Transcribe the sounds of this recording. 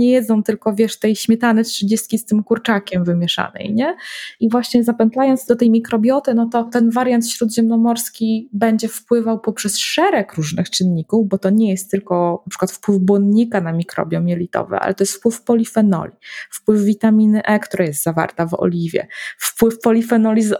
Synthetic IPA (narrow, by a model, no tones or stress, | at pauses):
ɲɛjɛd̪zɔ̃w̃t̪ɘlkɔvʲjɛʂt̪ɛjɕmʲjɛt̪anɛtʂɘd͡ʑest̪̚kʲist̪ɘmkuɾt͡ʂakʲɛmvɘmʲjɛʂa̰nɛ̰jɲɛivwaɕɲɛzapɛnt̪lajɔnd̪zd̪ɔt̪ɛjmʲikɾɔbʲjɔt̪ɘnɔt̪ɔt̪ɛnvaɾjant̪ɕɾud̪ʑɛmnɔmɔɾskʲibɛɲd͡ʑɛfpwɘvawpɔpʂɛsʂɛɾɛkɾuʐnɘxt͡ʂɘnɲikuvbɔt̪ɔɲɛjɛst̪ːɘlkɔnapʂɘ̥kwat̪fpwɘvbwɔnɲikanamʲikɾɔ̰bʲjɔmʲjɛlʲit̪ɔ̰vɛ̰ʔa̰lɛ̰t̪ɔjɛst̪fpwɘfpɔlʲifɛnɔ̰lʲifpwɘvːʲit̪amʲinɘʔɛkt̪ɾajɛst̪zava̰ɾt̪avɔ̰lʲivʲjɛ̰fpwɘfpɔlʲifɛnɔlʲiz